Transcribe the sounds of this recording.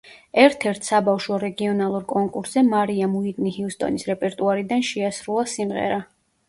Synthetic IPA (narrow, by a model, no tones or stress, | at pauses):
ɛɾt̪ʰɛɾt̪ʰsabafʃwɔɾɛɡiɔnalˠuɾkʼɔŋkʼuɾszɛmaɾiamuiɾnihiust̪ʼɔ̰nisɾɛpʼɛɾt̪ʼuaɾid̪anʃɛasɾulˠasimʁɛ̰ɾa